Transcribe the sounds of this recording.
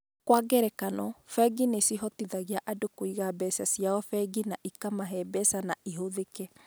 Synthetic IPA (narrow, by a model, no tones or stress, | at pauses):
kwaɡɛɾɛkanɔfɛɡinesiɦɔtiðaɣiaʔadokoiɣabɛsasiaɔfɛɡinaʔikamaɦɛbɛsanaiɦoðekɛ